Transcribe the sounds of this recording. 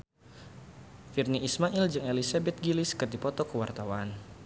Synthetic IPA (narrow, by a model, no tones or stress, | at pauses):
firniːsmaʔild͡ʒɨŋelisabɛt̪̚ɡiliskɨrdipɔt̪ɔkəwart̪awan